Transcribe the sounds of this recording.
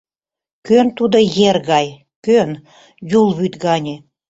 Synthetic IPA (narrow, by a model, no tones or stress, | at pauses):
kønt̪ud̪ə̆jerɣɑj | køn | julˠβyt̪ɡɑnʲe